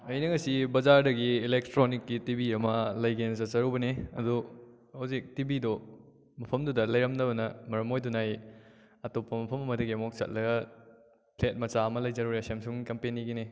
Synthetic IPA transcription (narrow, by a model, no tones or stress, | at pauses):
ɐjnɐŋɐsibɐzaɾdɐɡiːlek̚tɾonikːitibiɐmɐlɐjɡensɐt̚t͡ʃɐɾubɐneɐ̰du | hawzik̚tibido | mɐpʰɐmdudɐlɐjɾɐmdɐbɐnɐmɐɾɐmojdunaj | ɐtopːɐmɐpʰɐmɐmɐdɐɡiɐmok̚sɐ̰t̚lɐɡɐ | plet̚mɐt͡ʃaɐmɐlɐjd͡ʒɐɾuɾeɐsemsuŋkɐmpeniɡine